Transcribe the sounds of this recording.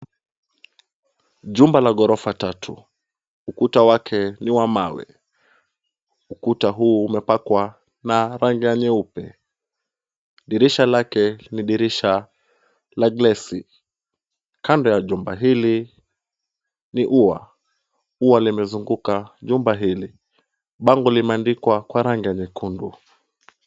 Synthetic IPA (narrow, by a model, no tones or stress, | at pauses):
ʄumbalaɠɔɾɔfatatʰṵ | ukutawakʰɛniwamawɛ̰ | ukutaɦuːmɛpakwa | naɾaŋɡiaɲɛupɛ̰ | ɗiɾiʃalakɛniɗiɾiʃa | laɡlɛsi | kandɔjaʄumbaɦili | niʔuwa̰ | uwalimɛzuŋɡukaʄumbaɦili | ɓaŋɡɔlimɛandikwakwaɾaŋɡiaɲɛkundu